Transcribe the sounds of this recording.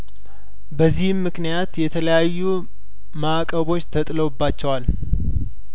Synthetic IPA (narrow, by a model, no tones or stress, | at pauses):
bəzːihmːɨknijat̪jɛt̪ʰələjajːu | makʼəβo̞t͡ʃːt̪ʰət̪ʼləwbːat͡ʃːɛwal